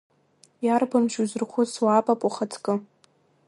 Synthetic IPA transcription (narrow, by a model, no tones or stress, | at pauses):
jarbamʒuzɨrχʷʊswaːpʼapʼuχatʰkʼɨ